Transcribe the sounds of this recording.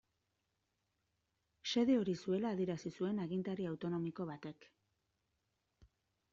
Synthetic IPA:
se̞ð̞eo̞ɾisue̞laːðieɾasisue̞naɣint̪aɾiawt̪o̞no̞miko̞βat̪e̞k

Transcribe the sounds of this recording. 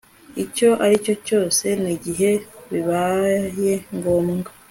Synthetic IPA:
ico̞ʔaɾico̞co̞ːse̞niɟiɦe̞βiβaje̞ŋɡo̞ːmŋɡa

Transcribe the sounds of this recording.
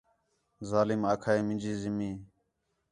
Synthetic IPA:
zaːlɪmaːkʰaːeːmɪ̃nd͡ʒiːzɪmiː

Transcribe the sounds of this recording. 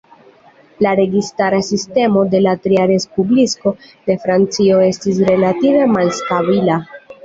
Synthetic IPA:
laɾe̞ɡistaɾasiste̞mo̞de̞latɾiaɾe̞spublisko̞ | de̞fɾant͡sio̞e̞stis̬ɾe̞lative̞malstabila

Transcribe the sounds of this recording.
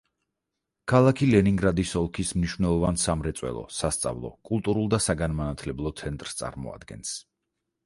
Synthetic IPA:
kʰalˠakʰilɛniŋɡɾad̪isɔlˠkʰismniʃwvnɛlˠɔvansamɾɛt̪sʼwɛ̰lˠɔ̰sast̪sʼa̰vlˠɔ̰kʼulˠt̪ʼuɾulˠd̪asaɡanmanat̪ʰlɛblˠɔt̪sʰɛnt̪ʼɾst̪sʼa̰ɾmɔ̰a̰d̪̥ɡɛ̰ns

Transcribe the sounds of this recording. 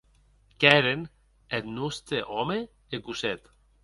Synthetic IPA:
kɛɾen | et̪nust̪eʔɔme | eɡuset̪

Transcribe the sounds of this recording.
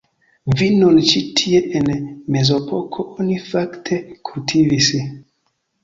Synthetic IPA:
vinont͡ʃitʰie̞ʔenme̞zo̞pʰo̞kʰo̞ʔonifaktʰe̞kʰultʰivis

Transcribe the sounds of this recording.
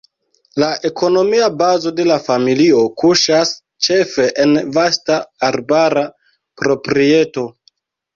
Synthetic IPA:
laʔe̞ko̞no̞miabazo̞de̞lafamilio̞kuʃas | t͡ʃe̞fe̞ʔenvastaːɾbaɾa | pɾo̞pɾie̞to̞

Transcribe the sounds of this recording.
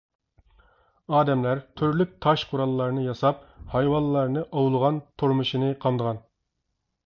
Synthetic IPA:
ɑːd̪ɛmlæɾt̪ʰyɾlyk̚ʲt̪ʰɑʃqʰʊɾɑlˠːɑɾnɨjɑsɑp̚hɑjwɑnlˠːɑɾnɨʔɑwlˠəʁɑnt̪ʰoɾmuʃinɨqʰɑmd̪əʁɑn

